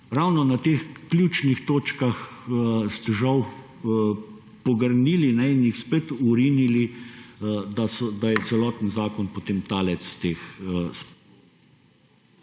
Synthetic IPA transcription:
ɾawnɔnat̪eːxklʲjuːt͡ʃnixt̪oːt͡ʃkaxst̪ɛʒaw | pɔɡəɾniːlinɛinjixspet̪uɾiːnili | d̪asɔd̪ajɛt̪sɛlɔːt̪n̩zaːkɔnpot̪eːmt̪aːlɛt̪st̪eːxsp

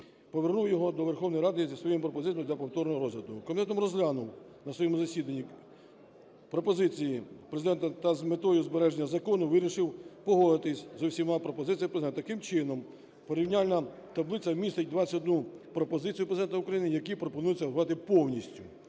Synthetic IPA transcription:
pɔʋernuwjɔɦɔd̪ɔʋerxɔwnɔjɾɑd̪ɪzʲisʋɔjɛmʊpɾɔpɔzɪt͡s̪ʲjd̪lʲɐpɔwt̪ɔrnɔɦɔɾɔzlʲɐd̪ʊjʊkɔmʲt̪ɛt̪ɔmɾɔzlʲanʊw | nɐsʋɔjɛmʊzɐsʲid̪ɐnʲːi | pɾɔpɔzɪt͡sʲijipɾezɪd̪ɛnt̪ɐt̪ɐzmet̪ɔjʊzbeɾɛʒenʲːɐzɐkɔnʊʋɪɾʲiʃɪwpɔɦɔd̪ɪt̪ɪsʲzɔwsʲimɑpɾɔpɔzɪt͡sʲijɐpɾezed̪ɛnt̪ɐkɪmt͡ʃɪnɔm | pɔɾʲiwnʲalʲnɐ | t̪ɐblˠɪt͡sʲɐmʲist̪ɪtʲd̪ʋɑt͡sʲɐtɔd̪nupɾɔpɔzɪt͡sʲijʊpɾezd̪ɛnt̪ɐʊkɾɐjinɪjɐkipɾɔpɔnujɛt͡sʲːɐʋt̪ɪpɔwnʲisʲtʲʊ

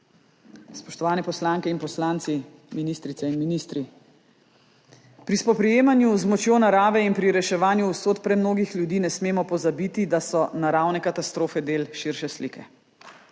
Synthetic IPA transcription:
spɔʃt̪ɔʋaːnɛpɔslaːŋkɛinpɔslaːnt̪si | minist̪ɾitsɛinminist̪ɾi | pɾispɔpɾɛjeːmanjuzmɔt͡ʃjoːnaɾaːʋɛinpɾiɾɛʃɛʋaːnjuusoːt̪pɾɛmnoːɡixlʲjud̪iːnɛsmeːmɔpɔzabiːt̪id̪asɔnaɾaːwnɛkat̪ast̪ɾoːfɛd̪eːlʃiɾʃɛslḭkʰɛ

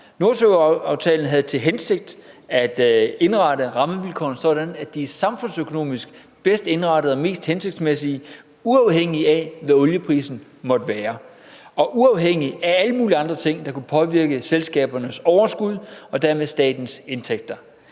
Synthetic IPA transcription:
no̝ɐsøʊɑ̈ʊt͡sʰɛ̰ːln̩ɦæð̩ˠt͡sʰe̝lɦense̝ɡ̥̚d̥æd̥e̝nʁɑ̈ɾəʁɑ̈məʋilkʰɒ̰ːnsɒ̽d̥ænæd̥isɑ̈mfɔ̽n̰søkʰo̝no̝̰ːmisɡ̥ | b̥esd̥e̝nʁɑ̈dɾð̩ˠɒ̽me̝̰ːsd̥hense̝ɡ̥̚d̥smesi | uɑ̈ʊɦeŋ̰iæʋæɔ̽ljəpʰʁḭːsn̩ | mɒ̽d̥əʋæːɐ | ɒ̽ʔuɑ̈ʊɦeŋ̰iææləmuːliɑ̈nd̥ʁɐt͡sʰe̝ŋ̰d̥ɑ̈kʰupʰɒ̽ʋiɐɡ̥əselsɡ̥ɛ̰ːb̥ɐnəsɒʊɐsɡ̥uð̞̰ˠɒ̽d̥æɐmeðˠsd̥ɛ̰ːd̥n̩se̝nt͡sʰeɡ̥̚d̥ɐ

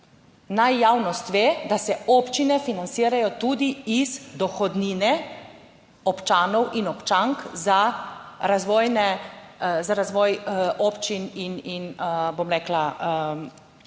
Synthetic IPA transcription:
najːaːwnɔst̪ʋeːd̪asɛɔːpt͡ʃinɛfinant̪siːɾajɔt̪uːd̪iizd̪ɔxɔd̪niːnɛ | ɔpt͡ʃaːnɔwʔinɔpt͡ʃaŋkzaɾazʋɔːjnɛ | zaɾazʋɔːjɔːpt͡ʃinininəbomɾɛːklaə

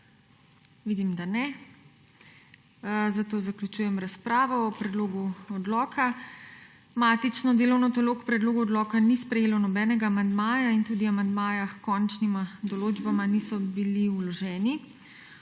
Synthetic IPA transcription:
ʋiːd̪imd̪anɛ | zat̪oːzaklut͡ʃuːjɛmɾaspɾaːʋɔɔpɾɛd̪loːɡuɔd̪lɔːkʰa | maːt̪it͡ʃnɔd̪eːlɔwnɔt̪ɔloːkpɾɛd̪loːɡuɔd̪lɔːkanispɾɛjeːlɔnɔbɛːnɛɡaːmand̪maːjaint̪uːd̪iamand̪maːjaxkɔnt͡ʃnimad̪ɔloːd͡ʒbamanisɔbiliulɔʒɛːni

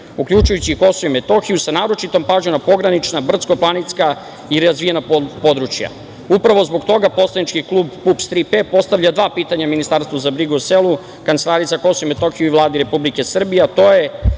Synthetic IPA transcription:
ukʎʲut͡ʃujut͡ɕiko̞soimet̪o̞xijusanaːɾo̞t͡ʃit̪o̞mpaːʒonapo̞ɡɾanit͡ʃnabr̩t̪sko̞plˠanit̪ska | iɾazʋijenappo̞d̪ɾut͡ʃja̰ | upɾaʋo̞zboɡt̪o̞ɡapo̞slˠanit͡ʃkiklˠuːbpupst̪ɾipepo̞st̪avʎad̪ʋaːpiːt̪aɲaminist̪aːɾst̪vuzabɾiɡuselu | kant̪elaːɾit̪sako̞soimet̪o̞xijuivlˠaːd̪iɾe̞publike̞sr̩bijeat̪o̞ːje

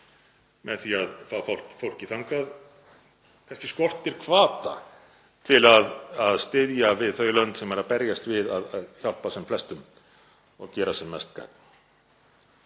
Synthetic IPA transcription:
mɛðθiaðfafawl̥cfowl̥cɪθaŋkað | kʰajnscɪskɔr̥t̪ɪɾ̥kʰvaːt̪a̰ | t̪ʰɪlaðaðst̪ɪðjavɪðθœːɥlœnt̪sɛmɛɾapɛɾjast̪vɪðaðaðçalpasɛmflɛst̪ʏm | ɔɣcɛːɾasɛmːɛst̪ka̰ːkn̥

